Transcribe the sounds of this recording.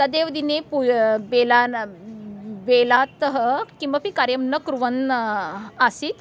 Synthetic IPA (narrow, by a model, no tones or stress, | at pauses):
t̪əd̪eʋd̪inepubelan | belat̪ɦəkĩʋapikaɾjəmnəkɾuʋən | asiːt̪